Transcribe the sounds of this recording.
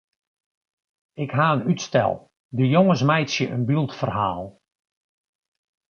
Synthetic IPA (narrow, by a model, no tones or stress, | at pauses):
ɪkɦaːənytstɛ̰lˠ | dəjoŋəsmɛjsjəʔənbylˠtfərhaːlˠ